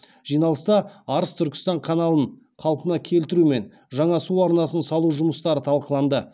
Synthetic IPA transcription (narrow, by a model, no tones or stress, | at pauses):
ʒ̥ijnɑlˠəst̪ɑɑɾəst̪ʰʏɾkʲɪ̥st̪ɑɴqʰɑnɑlˠəɴ | qʰɑlˠpənɑkʲʰe̞lt̪ɪɾume̞n | ʒɑɴɑsuɑɾnɑsənsɑlˠuʒʊməst̪ɑɾət̪ʰɑlˠqəlˠɑnd̪ə